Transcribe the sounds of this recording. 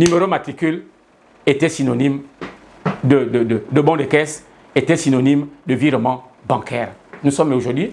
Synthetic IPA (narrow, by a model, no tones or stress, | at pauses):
nymeɾomat̪ikyl | et̪ɛsinɔnim | d̪ədədəd̪əbɔ̃d̪ekɛs | et̪ɛsinɔnimd̪əviʁmɑ̃ | bɑ̃kɛʁnusɔmoʒuʁd̪wi